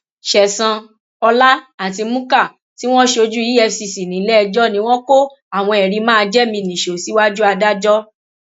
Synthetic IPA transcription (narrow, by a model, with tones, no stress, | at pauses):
ʃɛ˨sã˧ | ɔ˧la˦a˨ti˧mũ˦ka˦˨ | ti˦w̃ɔ̃˦ʃo˧d͡ʒu˦i˦ɛ˧si˨si˨nĩ˨˦lɛ˦˧d͡ʒɔ˦nĩ˧˦w̃ɔ̃˦ko˦ | a˦˨w̃ɔ̃˧ɛ˨ɾi˧mãː˦˧d͡ʒɛ˦mĩ˧nĩ˨ʃo˨si˨˦wa˦d͡ʒu˦a˧da˦d͡ʒɔ˦